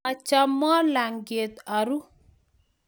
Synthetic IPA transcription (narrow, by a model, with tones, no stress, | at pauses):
a˨t͡ʃa˦mːɔ˦la˨ŋɡe˨t̪a˨ɾu˦